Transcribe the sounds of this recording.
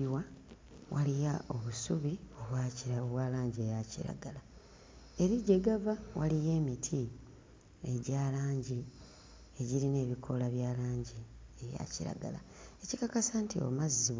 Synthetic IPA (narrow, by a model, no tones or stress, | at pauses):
wa | wʔalijao̞βusuβio̞βwacioβwaːlaːɲɟiejacḭɾa̰ɡala | e̞ɾiɟe̞ɡavawʔalije̞ːmitʰi | e̞ɟaːlaːɲɟi | e̞ɟiɾine̞ːβikʰo̞laβjaːlaːɲɟie̞βja̰ciɾa̰ɡa̰la̰e̞cikakasantio̰mazːi